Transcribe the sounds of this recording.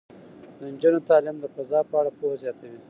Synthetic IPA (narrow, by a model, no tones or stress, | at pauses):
d̪ənd͡ʒunot̪ɑlɪmd̪əfazɑːpəaɽapohzjɑt̪awi